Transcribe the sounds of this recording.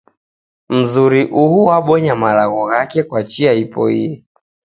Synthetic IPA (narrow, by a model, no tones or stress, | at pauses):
m̩zuɾiʔuhuwaɓɔɲamalaɣɔɣakɛkwat͡ʃiaipɔ̰ḭɛ